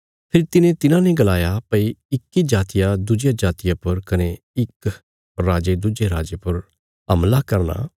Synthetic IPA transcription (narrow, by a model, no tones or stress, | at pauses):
pʰɪɾt̪ɪnẽt̪ɪnãnẽɡɐlaːjapɐiɪkːid͡ʒaːt̪ijad̪ʊd͡ʒjad͡ʒaːt̪ɪjapɐɾkɐne | ɪk | ɾaːd͡ʒed̪ʊd͡ʒeɾaːd͡ʒepʊɾ | ɦɐ̰mlakɐɾna̰ː